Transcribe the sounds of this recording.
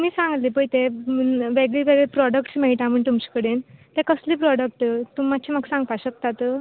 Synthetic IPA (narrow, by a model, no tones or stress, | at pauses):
miːsãŋɡlipəit̪eʋeɡɭiʋeɡɭɛpɾɔɽəkʈsmeɭʈ̪aməɳt̪umt͡ɕi̥kəɽent̪ɛ̃kəsliːpɾɔɽək̚ʈt̪umat͡ɕʰiməɡsãŋɡpaɕək̚t̪at̪